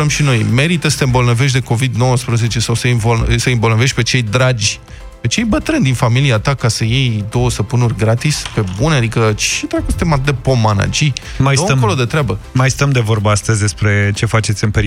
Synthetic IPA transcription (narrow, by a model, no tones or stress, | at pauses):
əmʃino̞jme̞ɾit̪əsə̥t̪eɨmbo̞lnəveʃ̬d̪e̞ko̞vid̪no̞wəspɾəze̞t͡ʃe̞sawsəimvosəimbo̞lnəve̞ʃt̪̚ʲpe̞t͡ʃe̞jd̪ɾad͡ʒʲ | pe̞t͡ʃe̞jbət̪ɾɨnd̪infamiliat̪akasəje̞jd̪o̞wəsəpunurʲɡɾat̪ispe̞bunead̪ikət͡ʃid̪ɾakust̪emat̪ɨtd̪epo̞mana̰d͡ʒi | majsəkolo̞d̪e̞t̪ɾeabəmajst̪əmd̪e̞vo̞rbəast̪əzʲd̪e̞spɾe̞t͡ʃe̞fat͡ʃe̞t̪sʲɨnpeɾ